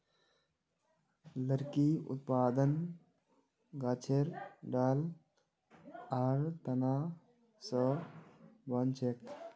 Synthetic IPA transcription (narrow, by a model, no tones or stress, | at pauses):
ləɾkiʊ̰t̪̚paːd̪ən | ɡaːt͡ʃʰeɾɖaːl | aːɾt̪ɐnaː | sə | bɐnt͡ʃʰek